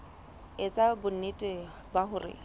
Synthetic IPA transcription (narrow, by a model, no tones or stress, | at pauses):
et͡sʼabʊn̩nitʼɪbaɦʊrɪ̰